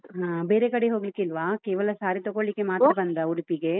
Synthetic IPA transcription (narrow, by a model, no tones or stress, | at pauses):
ɦãːbeːɾekɐɽeɦoːɡlikːeilʋaːkeːʋɐlɐsaːɾit̪ɔɡoɭlikːe̞maːt̪ɐbɐnd̪ɐuɽipiɡe